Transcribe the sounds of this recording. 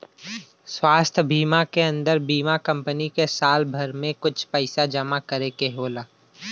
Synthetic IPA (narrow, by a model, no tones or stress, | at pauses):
swaːst̪ʰbʱiːmakeɐ̃nd̪əɾbiːmakɐ̃mpənikesaːlbʱɐɾmẽkʊt͡ʃʰpɛɪsad͡ʒɐmakɐɾekeɦoːlaː